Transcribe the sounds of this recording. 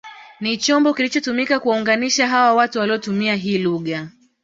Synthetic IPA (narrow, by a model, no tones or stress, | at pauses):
nit͡ʃɔmbɔkilit͡ʃɔtumikakuwauŋɡaniʃaɦawawatuwaliɔtumiaɦiːluɠa